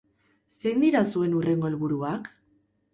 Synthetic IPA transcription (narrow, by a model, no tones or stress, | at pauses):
se̞jnd̪iɾasue̞nure̞ŋɡo̞elβuɾuak